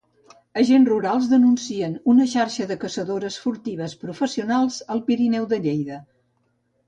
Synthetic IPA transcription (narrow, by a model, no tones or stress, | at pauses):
əʒenruɾalˠzðənunsiənunəʃaɾʃəðəkəsəðoɾəsfuɾt̪iβ̞əspɾufəsiunalˠzəlˠpiɾinɛwðəʎejðə